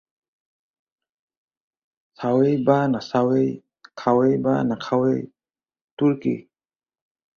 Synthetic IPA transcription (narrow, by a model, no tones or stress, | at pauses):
sawejbanasawej | kʰawejba̰nakʰawej | tuɾkḭ